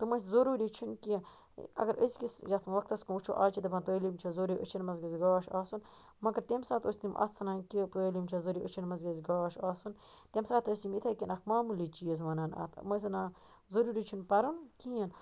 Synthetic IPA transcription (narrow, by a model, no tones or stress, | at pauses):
t̪ɨmɐs̬zɐɾuːɾiːt͡ʃʰunki | ɐ̰ɡɐɾʔə̰skisjɐt̪ʰmɐʋɐk̚t̪ɐskumut͡ʃʰuʔaːt͡ʃʰit̪ɐbɐnt̪əːlimt͡ʃʰɐzoɾiːʔət͡ʃʰinmɐzɡɐzʲɡaːʃaːsun | mɐɡɐɾt̪emsaːt̪oːsʲt̪imʔɐ̰t̪t͡sʰːɐnaːnkipɾolimt͡ʃʰɐzoɾiːʔət͡ʃʰinmɐzɡɐzʲɡaːʃaːsun | t̪ʲemsaːt̪ɐsimit̪ʰɐkinɐkmaːmulit͡ʃijəz̬ʋɐnɐːnɐ̰t̪ʰmɐs̬naː | zɐɾuːɾiːt͡ʃʰunpɐɾunkiɐn